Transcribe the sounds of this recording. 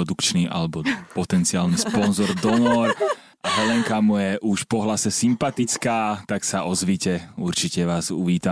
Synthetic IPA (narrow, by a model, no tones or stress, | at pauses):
ɔd̪ukt͡ʃniʔa̰lɛbɔpɔt̪ɛnt͡siaːlnispɔnzɔɾd̪ɔnɔːɾ | aɦɛlɛŋkamujɛʔuʃpɔɦlasɛsimpat̪it͡skaːt̪aksaʔɔzʋiːcɛuɾt͡ʃicɛʋaːzṵʋiːt̪a